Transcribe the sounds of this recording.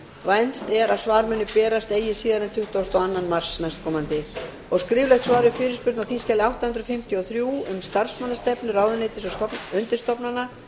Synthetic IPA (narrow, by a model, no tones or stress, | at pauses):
vajnst̪ɛɾaðsvaːɾmʏnːʏpɛːɾast̪eːjɪsiːðanɛnt̪ʰʏht̪aːst̪ɔɣanːanmar̥snajst̪̚kʰɔːmant̪ɪ | ɔɣskɾɪːvlɛjht̪svaːɾʏfɪːɾɪspʏɾt̪nawθinscɛːlɪawht̪ahʏnt̪ɾʏfɪm̥t̪ʰjɔθɾjuːʏmst̪ar̥smanːast̪ɛpnʏɾaːwðʏneːt̪ɪsɔʏnt̪ɪ̥st̪ɔpnana